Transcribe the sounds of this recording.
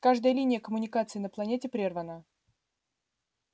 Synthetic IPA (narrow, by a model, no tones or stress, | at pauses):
kaʐd̪əjəlʲinʲɪjəkəmʊnʲɪkat̪sɨɪːnəplˠɐnʲetʲɪpɾʲervənə